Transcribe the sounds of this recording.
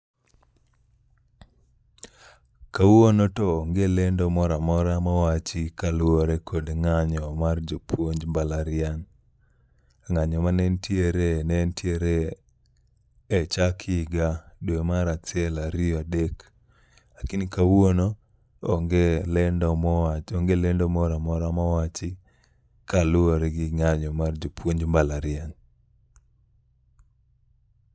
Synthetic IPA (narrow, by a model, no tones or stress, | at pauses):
kawonotɔːŋɡelɛndɔmɔɾamɔɾamawat͡ʃikalwoɾekʰodŋaɲɔmard͡ʒopʰwoɲd͡ʒbalaɾɪan | ŋaɲɔmanɛntjeɾenɛntjeɾe | t͡ʃakʰɪɡadwemaɾat͡sɪɛlaɾɪɔadek | akinkawono | ŋɡelɛndɔɔoŋɡelendɔmɔɾamɔɾamawat͡ʃɪ | kalʊoɾɡɪŋaɲɔmard͡ʒopwoɲd͡ʒmbalaɾɪan